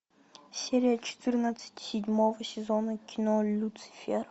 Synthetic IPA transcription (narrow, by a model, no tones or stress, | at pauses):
sʲeɾʲɪjɐt͡ʃʰɪ̥t̪ʰɨrnat̪sɨ̥t̪ʲsʲɪd̪ʲmovɐsʲɪzonɐkʲʰɪnolʲut̪sɨ̥fʲeɾ